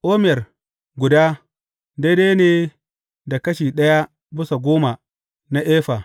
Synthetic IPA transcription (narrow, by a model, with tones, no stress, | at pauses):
ʔoː˦m˦ɛ˨r | ɡʷʊ˨daː˦ | de˦de˦jneː˨ | da˨kɐ˦ʃiː˨ɗɐ˦ja˦ | bɪ˦sa˨ɡʷoː˦ma˨ | na˦ʔɛː˦ɸa˨